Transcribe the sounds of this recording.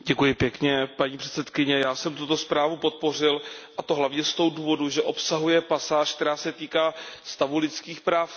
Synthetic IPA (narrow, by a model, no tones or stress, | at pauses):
ɟɛkujɪpjɛkɲɛpaɲiːpr̝̥ɛ̥t͡sɛt̪kɪɲɛjaːsɛmt̪ut̪o̞spɾaːvupo̞t̪̚po̞r̝ɪlʔat̪o̞ɦlavɲɛst̪o̞wduːvo̞duʒɛʔo̞psaɦujɛpasaːʃk̚t̪ɛɾaːsɛt̪iːkaːst̪avulɪt͡skiːxpɾaːf